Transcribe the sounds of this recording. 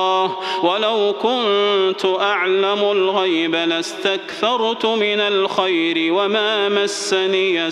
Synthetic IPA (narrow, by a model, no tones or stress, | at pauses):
hwalawkʊnt̪ʊʔaʕlamʊlɣajbalast̪akθɑɾˤt̪ʊmɪnalxajɾɪwamaːmasːaniːa